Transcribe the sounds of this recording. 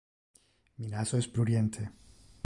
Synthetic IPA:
minasoespɾuɾjent̪ʰe

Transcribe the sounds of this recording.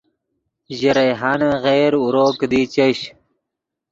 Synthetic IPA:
ʑiɾɐjɦaːnaɣejɾuɾoːkd̪iːt͡ɕeɕ

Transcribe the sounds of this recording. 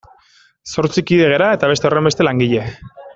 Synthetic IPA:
so̞ɾt͡sikiðe̞ɣe̞ɾae̞t̪aβe̞t̪e̞o̞re̞mbet̪e̞laŋɡiʎe̞

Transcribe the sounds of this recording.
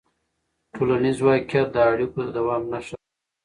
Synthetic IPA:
ʈʰolanizwɑkʰat̪̚d̪əːɽikod̪awɑːmnaʃa

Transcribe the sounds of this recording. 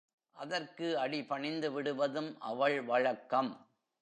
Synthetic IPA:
ʔɐðɐrkɯɐɽɪpɐɳɪnd̪ɯʋɪɽɯʋɐðɯmʔɐ̰ʋɐɭʋɐɻɐkːɐm

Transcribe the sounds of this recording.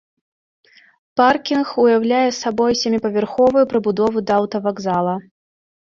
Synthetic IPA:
parkʲinxujawlʲajɛsabɔjsʲamʲipɐvʲɛrxɔvɐjupɾɨbud̪ɔvɨd̪ɐːwt̪ɐvaɡzalˠɐ

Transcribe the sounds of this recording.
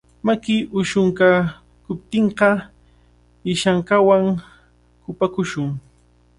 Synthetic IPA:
makɪʔʊʃʊŋka | kʊp̚t̪eɴqɑ | ɪʃaŋkawaŋ | kʊpakʊʃʊŋ

